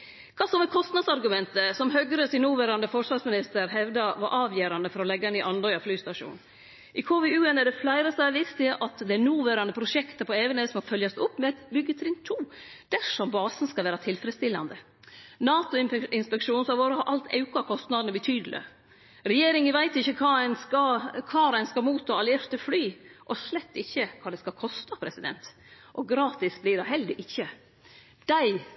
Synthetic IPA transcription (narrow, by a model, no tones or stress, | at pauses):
kʰɑːsɔmɛkʰɔst̪nɑd̪sɑɾɡʉmɛnt̪əsɔmɦœɡɾəsɪnuːʋæːɾɑnd̪əfɔʂʋɑɾsmɪnɪst̪əɾhɛʋd̪ɑʋɑ̰ɾʔɑːʋjøːɾɑnd̪əfɔɾɔlɛɡːɑniːʔɑnd̪ɔʏɑflyːst̪ɑʂṵːn | ʔɪkʰoːʋɪʉːɛnɛɖɛflæɪɾəsɑʋɪst̪ɪʔɑt̪d̪ɛænuːʋæːɾɑnəpʰɾʊʂɛkt̪əpʰɔeʋənəsɔmɔfœljɑst̪ʊpːmɛɛt̪bʏɡːət̪ʰɾɪnt̪ʰuː | d̪̥æʂɔmbɑːsn̩skɑʋæːɾɑt̪ʰɪlfɾɛd̪st̪ɪlːɑ̰nd̪ə | nɑːt̪ʊɪɪnspɛkʂuːnsɑʋoːɾəhɑɾʔɑlt̪ʰɑ̰ʉkɑkʰɔst̪nɑd̪ənəbət̪ʰyːd̪lʔɪ̰ | ɾɛjeːɾɪŋəʋæɪt̪ɪçːəkʰɑːæɪnɑkʰɑːɾæɪnskɑmuːt̪ʰːɑːɑləjæɾt̪əflyːʔɔʂlɛt̪ːɪçːəkʰɑːd̪ɛskɑkʰɔst̪ɑpʰɾɛsɪd̪ɛ̰nt̪ | ʔɔɡɾɑːt̪ɪsbliːɖɑɦɛld̪ɪʔɪçːə | d̪̥æɪ